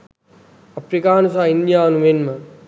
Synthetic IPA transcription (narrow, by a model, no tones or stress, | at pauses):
ɐpɾikaːnusaːinjaːnuʋenmə